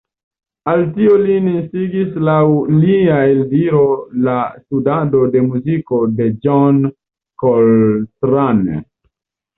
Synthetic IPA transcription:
altiolininsiɡislawliaeldiɾolastudado̞de̞muziko̞de̞d͡ʒɔn | koltɾan̰

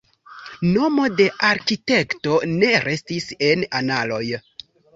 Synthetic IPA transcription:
no̞mo̞de̞ʔaɾkite̞kto̞ne̞ɾe̞stise̞nanalo̞̰j

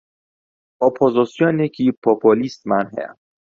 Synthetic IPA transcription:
opʰozɔsjɔnjecʰipʰopʰolist̪mænɦḛ

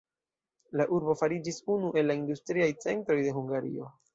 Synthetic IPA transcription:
laʔuɾbo̞faɾid͡ʒisunuʔe̞lːaindustɾiajt͡se̞ntɾo̞jde̞ɦuŋɡaɾḭo̞̰

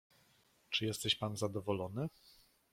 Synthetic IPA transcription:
t͡ʂɘjɛst̪ɛɕpanzad̪ɔvɔlɔnɘ

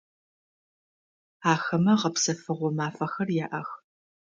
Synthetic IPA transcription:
aːxɐmɐʁɐpsɐfɨʁʷɔmaːfɐxɐrjaːʔɐx

